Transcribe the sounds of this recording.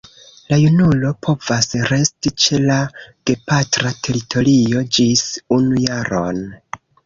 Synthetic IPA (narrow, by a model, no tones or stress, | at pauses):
lajunulo̞pʰo̞vasɾe̞stit͡ʃe̞laɡ̥e̞patɾatʰe̞ɾitʰo̞ɾio̞d͡ʒisunujaɾo̞̰n